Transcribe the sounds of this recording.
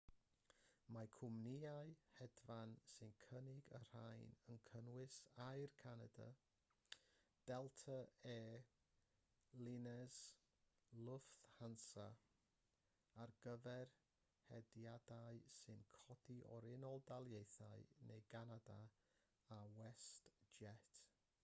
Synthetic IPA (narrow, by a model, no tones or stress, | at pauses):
makʰʊmniaɨhɛdvansɨnkʰənɪɡə̰r̥ajnənkʰənwɪsaɨrkʰanada̰ | d̥ɛlˠtʰəeː | lɪnɛz | lʊfθhansa | arɡəvɛr | hɛdjadaɨsɨnkʰɔdiʔɔ̰ɾɪnɔlˠdalˠjejθaɨnejɡanada | awɛstd͡ʒɛt